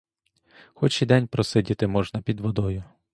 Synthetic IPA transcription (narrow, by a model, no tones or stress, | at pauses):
xɔt͡ʃid̪ɛnʲpɾɔsɪdʲit̪ɪmɔʒnɐpʲid̪ʋɔd̪ɔjʊ